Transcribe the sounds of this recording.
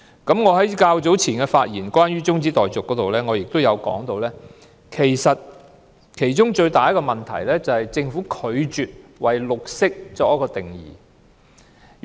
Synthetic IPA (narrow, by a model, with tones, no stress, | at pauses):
kɐ˨˥mŋɔː˨˧ɦɐ˨˥jkaː˧wt͡so˨˥wt͡sʰiː˨˩nkɛ˧faː˧t̚jiː˨˩nkwaː˥nɥyː˥t͡sʊ˥ŋt͡siː˨˥t̪ɔː˨˩jt͡sʊ˨kːɔː˨˥t̪o˨wlɛː˥ŋɔː˨˧jɪ˨k̚t̪o˥wjɐ˨˧wkɔ̰ː˨˥ŋt̪o˧wlɛː˥ | kʰe˨˩jsɐ˨t̚ | kʰe˨˩jt͡sʊ˥ŋt͡ʃɵ˧ɥt̪aː˨jɐ˥kːɔ˧mɐ˨˩nt̪ʰɐ̰˨˩jlɛː˥t͡sɐ˨hɐ˨jt͡sɪ˧ŋfu˨˥kʰɵ˨˧ɥt͡ʃyː˨t̚wɐ˨˩jlʊ˨k̚sɪ˥k̚t͡sɔː˧kjɐ˥kɔː˧t̪ɪ˨˩ŋjḭː˨˩